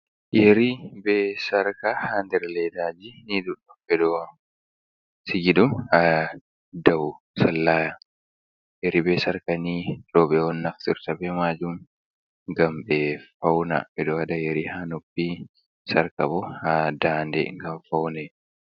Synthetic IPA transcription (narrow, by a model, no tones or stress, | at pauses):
jɛɾibeːsɐɾkɐhand̪ɛɾleːd̪aːd͡ʒinid̪ʊᶑɐfɛd̪o | sɪɡɪd̪ʊɐ | d̪ɐwʊ | sɐlːaːjɐ | jɛɾibeːsɐɾkɐniɾoːbɛwɔnːɐft̪ɪɾt̪ɐbɛmaːd͡ʒuŋ | ɡɐmbeːɐwnɐ̰fɛd̪oɐd̪ɐjɛɾihaːnɔbːiː | sɐɾkɐbɔhad̪aːnd̪ɛ̰ɡɐmfɐwnɛ